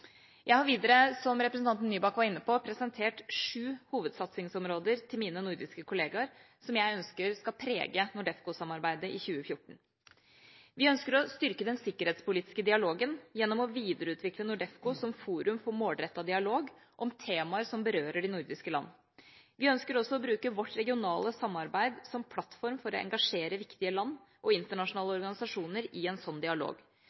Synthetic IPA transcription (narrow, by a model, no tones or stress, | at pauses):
jʔæɪhɑɾʋiːd̪əɾəsɔmɾɛpɾəsn̩t̪ɑnt̪n̩ːyːbɑkʋɑɾɪnːəpʰopʰɾɛsənt̪ʰeːʈʂʉːhuːʋəd̪sɑt̪sɪŋsɔmɾoːd̪əɾt̪ʰɪlmiːnənʊɾd̪ɪskəkʰʊleːɡɑɾ | sɔmjæɪœnskəɾskɑlpʰɾḛːɡənʊɖɛfkʊsɑmɑɾbæɪd̪əʔɪçʉːəfjʊʈːɳ̩ | ʋɪœnskəɾɔst̪ʏɾkəd̪ɛnsɪkːəɾheːt̪spʊliːt̪ɪ̥skəd̪ɪɑloːɡənjɛnːɔmɔʋiːd̪əɾəʉːt̪ʰʋɪklənʊɖɛfkʊsɔmfuːɾʉmfɔɾmoːld̪ɾɛt̪ːɑd̪ɪɑloːɡʔɔmt̪ʰeːmɑəɾsɔmbəɾøːɾəɖɪnʊɾd̪ɪskəlɑ̰nː | ʋɪœnskəɾɔsːɔɔbɾʉːkəʋɔʈːɾɛɡɪʊnɑːləsɑmːɑɾbæɪd̪sɔmpʰlɑt̪fɔɾmfɔɾɔɛ̰ŋɡɑʂeːɾəʋɪkt̪ɪəlɑnːʔɔɪnt̪əɳɑʂʊnɑːləɔɾɡɑnɪsɑʂuːnəɾɪɛnsɔnːd̪ɪɑlo̰ːɡ